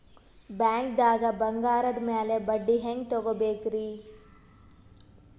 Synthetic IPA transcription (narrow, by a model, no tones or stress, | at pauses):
bjaːŋk̚d̪aːɡɐbɐŋɡaːɾɐd̪meːlebɐɖːiɦeŋɡt̪ɔɡobeːkɾi